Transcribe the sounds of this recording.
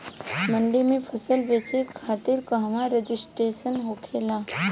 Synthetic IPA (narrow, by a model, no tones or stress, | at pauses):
məɳɖimiːfʰəsəlʋet͡ɕekʰat̪iːɾkəɦʋaɾəd͡ʑisʈɾeɕənɦokʰela